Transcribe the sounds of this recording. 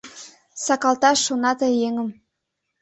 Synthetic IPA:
sɑkɑlˠt̪ɑʃːonɑt̪ɤjeŋə̆m

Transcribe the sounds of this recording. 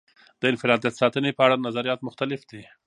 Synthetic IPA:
d̪̥əɪnfɪɾɑd̪jat̪sɑt̪ənepəaɽanazaɾijɑt̪mʊxt̪alɪfd̪e

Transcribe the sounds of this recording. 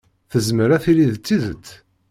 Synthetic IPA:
θəzməɾæθiliðt͡sːiðət͡sː

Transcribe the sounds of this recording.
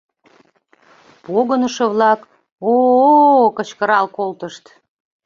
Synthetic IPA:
poɣənəʃə̆βlɑk | o | kət͡ɕkəɾɑlkolt̪əʃt̪

